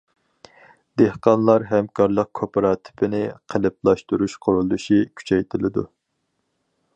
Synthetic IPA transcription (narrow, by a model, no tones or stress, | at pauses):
d̪̥ehqɑnlˠɑɾɦɛmkʰɑɾlˠəq̚kʰopeɾɑt̪ʰɪ̥pɪnɪqʰəlɪp̚lˠɑʃt̪uɾuʃqʰoɾulˠd̪uʃikʲʰy̥t͡ʃʰɛjt̪ʰɪlɪd̪ṵ